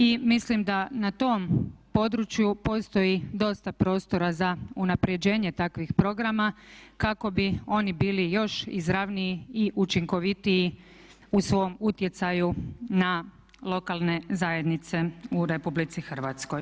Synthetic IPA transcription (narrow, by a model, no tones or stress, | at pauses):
imislimd̪anat̪o̞mpo̞d̪ɾut͡ʃjupo̞st̪o̞jid̪o̞st̪apɾo̞ːst̪o̞ɾazaunapɾed͡ʑe̞ːɲe̞t̪akʋixpɾo̞ɡɾamakako̞bio̞nibiːlijo̞ʃḭzɾaʋniiiʔut͡ʃiŋko̞ʋit̪iː | usʋo̞mut̪je̞t̪sajuna | lˠo̞kalˠne̞zaje̞d̪nit̪se̞uɾe̞publit̪sixr̩ʋat̪sko̞j